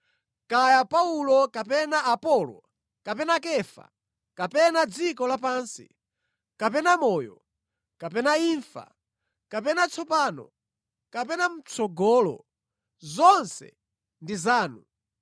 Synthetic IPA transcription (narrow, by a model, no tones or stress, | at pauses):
kajapaulɔkapɛnaapɔlɔ̰ | kapɛnakɛfa̰ | kapɛnad͡zikɔlapaːnsḭ | kapɛnamɔːjɔ | kapɛnaiːɱfa̰ | kapɛnat͡sʰɔpaːnɔ̰ | kapɛnam̩t͡sʰɔɡɔlɔ̰ | zɔnsɛ̰ | ndizaːnu